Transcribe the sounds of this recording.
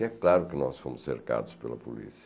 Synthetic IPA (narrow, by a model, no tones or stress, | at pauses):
ɛklˠaɾukənɔsfomusːeɾka̰ðuspəlɐpulḭsi